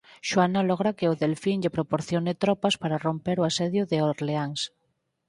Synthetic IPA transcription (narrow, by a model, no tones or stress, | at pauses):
ʃwanalɔɣɾakeoðelfinʎepɾopoɾθjonet̪ɾɔpaspaɾarompeɾoasɛðjʊðeoɾleaŋs